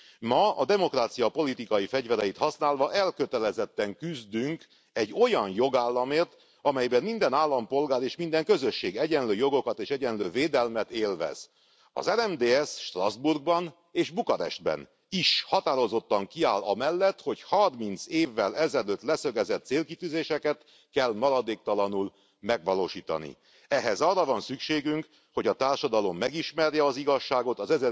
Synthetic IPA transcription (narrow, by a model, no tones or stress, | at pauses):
mɒɒ̰d̪ɛmo̞kraːt̪sijɒpo̞lit̪ikɒjifɛɟvɛɾɛjit̪hɒsnaːlvɒʔɛlkø̞t̪ɛlɛzɛt̪ːɛŋkyzd̪yŋk | ɛɟːo̞jɒnjo̞ɡaːlːɒmeːrt̪ | ɒmɛjbɛmmind̪ɛnaːlːɒmpo̞lɡaːɾeːʃmind̪ɛŋkø̞zø̞ʃːeːɡɛɟɛnløːjo̞ɡo̞kɒt̪eːʃɛɟɛnløːveːd̪ɛlmɛt̪eːlvɛ̰z̥ | ɒ̰zɛnɛmd̪eːɛsʃt̪rɒzburɡ̚bɒn | eːʒbukɒɾɛ̰ʃt̪̚bɛ̰n | iʃhɒt̪aːɾo̞zo̞t̪ːɒŋkiaːlɒmɛlːɛt̪ho̞chɒrmint̪seːvːɛlɛzɛløːt̪lɛsø̞ɡɛzɛt̪seːlkit̪yːzeːʃɛkɛt̪ | kɛlmɒɾɒd̪eːk̚t̪ɒlɒnul | mɛɡʋɒloːʃiːt̪ɒ̰nḭ | ɛɦɛzɒrːɒvɒnsykʃeːɡyŋk | ho̞ɟɒt̪aːrʃɒd̪ɒlo̞mːɛɡiʃmɛrjɛɒziɡɒʃːaːɡo̞t̪ɒzɛzɛ